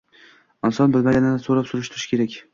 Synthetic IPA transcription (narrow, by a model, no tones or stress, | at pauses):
ɪnsɒnbɪlmaɡʲanɪnɪsoɾapsʊɾɪʃt̪ʰʊɾɪ̥ʃkʰʲe̞ɾakʲ